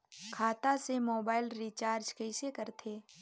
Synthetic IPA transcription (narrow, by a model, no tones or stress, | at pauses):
kʰaːt̪asemoːbaːɪlɾit͡ʃaːɾd͡ʒkɛɪsekɐɾt̪ʰeː